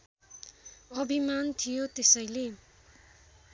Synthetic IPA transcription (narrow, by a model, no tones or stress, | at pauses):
ʌbʱimant̪ʰijot̪esʌjle